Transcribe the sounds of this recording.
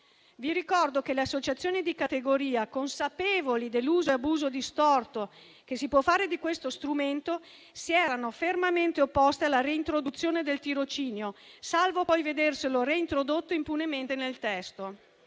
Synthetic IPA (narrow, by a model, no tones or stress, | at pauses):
viɾikɔrd̪okeleasːot͡ʃat̪sːjoːnid̪ikat̪eɡoɾiːakonsapeːvolid̪elːuːzoeabuːzod̪ist̪ɔrt̪o | kesipwɔfːaːɾed̪ikwest̪ost̪ɾument̪o | siɛːɾanofermament̪eopːɔst̪ealːaɾeint̪ɾod̪ut̪sːjoːned̪elt̪iɾot͡ʃiːneosalvoɔjved̪erseloreint̪ɾod̪ot̪ːoimpunement̪enelt̪ɛst̪o